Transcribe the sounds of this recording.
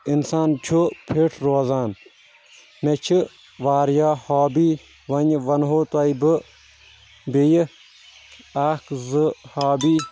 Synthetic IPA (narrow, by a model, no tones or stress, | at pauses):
insaːnt͡ʃʰupʰiʈʰɾoːzaːn | met͡ʃʰi | ʋaːɾjaːhaːbiː | ʋɐɲʋɐnɦoːt̪ɐjbɨ | bej | aːkzɨhaːbiː